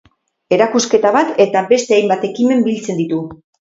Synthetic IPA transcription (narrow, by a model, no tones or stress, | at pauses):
e̞ɾakuske̞t̪aβat̪e̞t̪abe̞st̪e̞ajmbat̪e̞kime̞mbilt͡se̞nd̪it̪u